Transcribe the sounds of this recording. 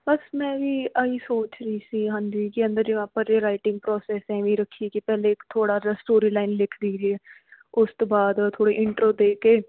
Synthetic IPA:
bəsmɛ̃ːʋiːʔəiːsoːt͡ʃɾəiːsiːɦə̃nd̪iːkiə̃nd̪əɾd͡ʒɪmẽaːpãːd͡ʒeːɾaːɪʈɪ̃ŋɡ̚pɾɔːsɛːsɛ̃ːʋiːɾəkʰːikipɛːleːɪkt̪ʰoːɽaːɾasʈoːɾiːlaːɪnlɪkʰd̪iːɾiɛː | ʊst̪oːbaːd̪t̪ʰːoːɽeːʔɪɳʈɾoːd̪eːkeː

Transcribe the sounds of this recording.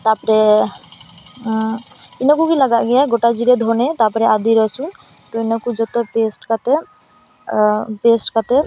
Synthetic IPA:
t̪apɔɾɛ | inɔkukilaɡaʔɡɛjaɡoʈad͡ʒiɾed̪ʱɔnet̪apɔɾɛad̪iɾɔsun | t̪ɔinɔkud͡ʒɔt̪ɔpesʈkat̪e | pesʈkat̪e

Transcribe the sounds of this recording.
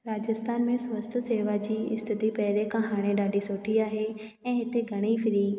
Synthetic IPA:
ɾaːd͡ʑəst̪ʰaːnmẽsʊʋəst̪ʰseːʋad͡ʑiːɪ̰st̪ʰɪt̪ipɛɦɾekãɦaːɽ̃ẽɗaːɖisoːʈʰiaːɦe | ɛ̃ːɦɪt̪eɡʱɐɽ̃ifʰɪɾiː

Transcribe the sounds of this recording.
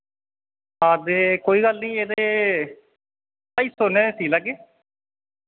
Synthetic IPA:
aːd̪eːkoːiːɡəlnĩːeːd̪eː | paiːsonẽːsiːləɡeː

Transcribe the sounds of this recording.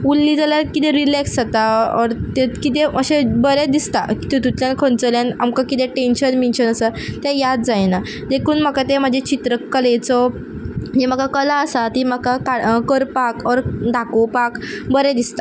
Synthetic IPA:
ulːid͡zalaɾkit̪ẽɾilɛksat̪aɔɾt̪ekit̪eəɕebəɾed̪ist̪aki̥t̪et̪ut̪ljankʰont͡səljanamkakit̪ɛʈenɕənminɕənəsat̪ɛjad̪d͡zajna | d̪ekʰuːnməkat̪em̤əd͡ʑʱet͡ɕit̪ɾəkːəlet͡sɔ | d͡ʑem̤əkakəlaəsat̪im̤əkakaɽkəɾpakɔɾɖ̪akopakbəɾed̪ist̪a

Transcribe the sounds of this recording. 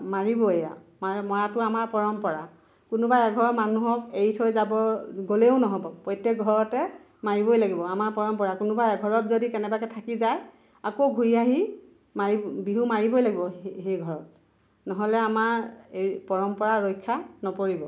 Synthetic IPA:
maɹibɔeja̰mamɔjatʊamaɹpɔɹɔmpɔɹa | kʊnʊbaɛɡʱɔɹɔmanuɦɔkejtʰojzabɔɡoleʊnɔɦɔbɔpɔjtːek̚ɡʱɔɹɔtɛ | maɹibɔjlaɡibɔamaɹpɔɹɔmpɔɹakunubaɛɡʱɔɹɔtzodikɛnɛbakɛtʰakizaj | akoɡʱuɹiaɦi | maɹibiɦumaɹibojlaɡibɔɦejɡʱɔɹɔt̚ | nɔɦɔlɛamaɹepɔɹɔmpɔɹaɹɔjkʰːanɔpoɹibɔ

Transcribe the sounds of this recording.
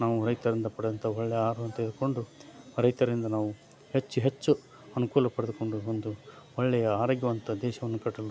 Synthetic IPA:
naːʋuɾɐjt̪ɐɾind̪ɐpɐɽd̪ɐnt̪ʰɐɔɭːɛjɐaːɾɐʋɐnt̪ɐid̪uko̞ɳɖuɾɐjt̪ɐɾind̪ɐnaːʋu | het͡ʃːuɦet͡ʃːu | ɐnukuːlɐpɐɽed̪uko̞ɳɖuond̪uɔɭːɛjɐaːɾɐːɡjɐʋɐnt̪ɐd̪ɛːʃɐʋɐnːukɐʈːɐl

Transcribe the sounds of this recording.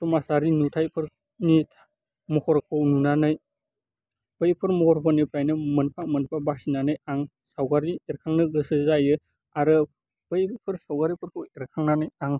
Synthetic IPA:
tumasaɾinutʰajpʰɯɾ | nitʰ | mɔkɔɾkʰɯwnunanɯj | b̥ɯjpʰɯɾmɔhʰɔɾpʰɔnipʰɾajnɯmɯnpʰamɯnpʰabasinanɯjaŋ | sawɡaɾieɾkʰaŋnɯɡɯsɯzajɯ | aɾɯ | b̥ɯjpʰɯɾsawɡaɾipʰɯɾkʰɯweɾkʰaŋnanɯjaŋ

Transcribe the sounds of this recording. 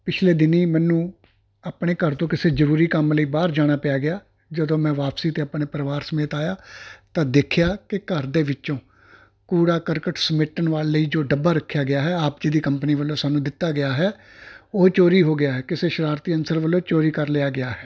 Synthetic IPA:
pɪt͡ʃʰleːd̪ɪniːmɛ̃ːnũː | aːpɳeːkəɾt̪õːkɪseːzəɾuːɾiːkəmləiːbaːɾd͡ʒaːɽ̃aːpejaːɡɪaː | d͡ʒəd̪õːmɛ̃ːʋaːpsiːt̪eːapneːpəɾʋaːɾsəmeːt̪aːjaːt̪ãːd̪eːkʰjaːkɪkəɾd̪eːʋɪt͡ʃõː | kuːɽaːkəɾkəʈsəmɪʈːənʋaːlːəiːd͡ʒoːɖəbːaːɾəkʰːjaːɡɪjaːɦɛːaːp̚d͡ʒeːd̪iːkəmpəniːʋəlːõːsaːnũːd̪ɪt̪ːaːɡɪaːɦɛː | oːt͡ʃoːɾiːɦoːɡɪjaːɦɛːkɪseːʃəɾaːɾt̪iːənsəɾʋəlːõːt͡ʃoːɾiːkəɾleaːɡɪjaːɦɛː

